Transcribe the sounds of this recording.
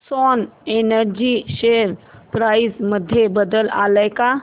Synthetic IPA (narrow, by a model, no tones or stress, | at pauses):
sɔnenəɾd͡ʒiʃeɾpɾaːisməd̪ʱjebəd̪əla̰ləjka